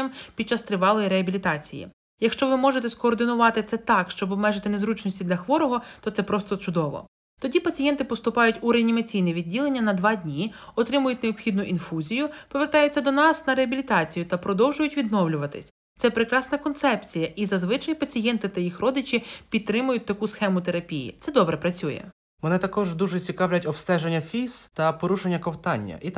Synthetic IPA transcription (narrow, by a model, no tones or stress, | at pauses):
ɐmpʲid̚t͡ʃɑst̪ɾɪʋɑlˠɔjiɾeɦɐbʲilʲit̪ɑt͡sʲḭjḭ | jɐkʃt͡ʃɔʋɪmɔʒet̪ɛskɔːrd̪ɪnʊʋɑt̪ɪt̪sɛt̪ɑkʃt͡ʃɔbɔbmɛʒet̪ɪnezɾut͡ʃnɔsʲtʲid̪lʲɐxʋɔɾɔɦɔt̪ɔt̪sɛpɾɔst̪ɔt͡ʃʊd̪ɔʋɔ̰ | t̪ɔdʲipɐt͡sʲijɛnt̪ɪpɔst̪ʊpɑjʊtʲuɾeɐnʲimɐt͡sʲijnɛʋʲidʲːilˠe̞nʲːɐnɐd̪ʋɑdʲnʲiɔt̪ɾɪmʊjʊtʲneɔbxʲid̪nʊʔinfuzʲijʊpɔʋert̪ɑjʊt͡sʲːɐd̪ɔnɑsnɐɾeɐbʲilʲit̪ɑt͡sʲijʊt̪ɐpɾɔd̪ɔwʒʊjʊtʲʋʲid̪nɔwlʲʊʋɐt̪ɪsʲ | t̪sɛpɾekɾɑsnɐkɔnt̪sɛpt͡sʲijɐʔizɐzʋɪt͡ʃɐjpɐt͡sʲijɛnt̪ɪt̪ɐjixrɔd̪ɪt͡ʃipʲid̪̚t̪ːɾɪmʊjʊt̚ʲt̪ɐkusxɛmʊt̪e̞ɾɐpʲijḭt̪sɛd̪ɔbɾɛpɾɐt͡sʲujɛ̰ | mɔnɪt̪ɐkɔʒd̪uʒet͡sʲikɑwlʲɐtʲɔpst̪ɛʒenʲːɐfʲist̪ɐpɔɾuʃenʲːɐkɔwt̪ɑnʲːɐ̰ʔit̪